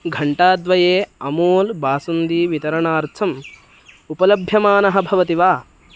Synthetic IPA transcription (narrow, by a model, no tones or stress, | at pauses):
ɡʱɐɳʈaːd̪ʋɐjeːɐmoːlbaːsund̪iːʋit̪ɐɾɐɳaːɾt̪ʰɐm | upɐlɐbʱjɐmaːnɐɦɐbʱɐʋɐt̪iʋaː